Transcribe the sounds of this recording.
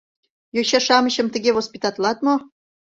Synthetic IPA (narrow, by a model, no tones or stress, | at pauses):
joɕɑʃɑməɕə̆mt̪ə̆ɣeɣospʲit̪ɑt̪lɑt̪mo